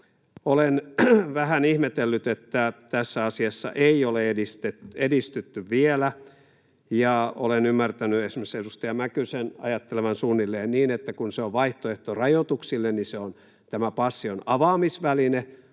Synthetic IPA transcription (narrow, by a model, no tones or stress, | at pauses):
olenʋæhænihmet̪elːyt̪et̪ːæt̪æsːæɑsiɑsːɑ̰ʔeioleedist̪et̪edist̪yt̪ːyʋʋielæ | jɑo̰lenymːært̪ænyesmesedust̪ɑjɑmækysenɑ̰jɑt̪ːeleʋænsuːnːilːeːnniːnet̪ːækunseoʋʋɑiht̪oeht̪orɑjot̪uksilːenniseon | t̪æmæpɑsːionɑʋɑːmisʋæline